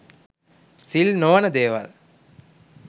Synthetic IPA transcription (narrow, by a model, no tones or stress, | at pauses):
silnoːnəd̪eːʋɐ̰l